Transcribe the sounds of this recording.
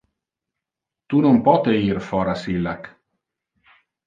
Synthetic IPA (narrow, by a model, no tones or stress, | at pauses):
t̪unompɔt̪eiɾfɔːɾasilːak